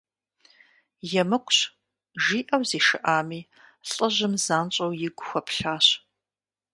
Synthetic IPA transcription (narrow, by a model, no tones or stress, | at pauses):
jɛmɨkʷʰʼɕ | ʒiːʔɐwziːʃɨ̰ʔaːmiː | ɬʼəʑɨmzaːnt͡ʃʼɐwjɪɡʷʊxʷɐpʰɬaːɕ